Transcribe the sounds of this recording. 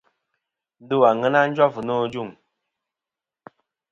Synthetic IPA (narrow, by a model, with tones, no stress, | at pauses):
du˦wa˨ŋə˦na˦n̩˦d͡ʒwa˦vu˨no˦˨d͡ʒu˦˨ŋ